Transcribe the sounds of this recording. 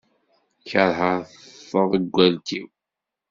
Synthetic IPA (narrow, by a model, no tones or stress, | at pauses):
çəɾˤɦəɾθfːəðˤəɡʷːælt̪iw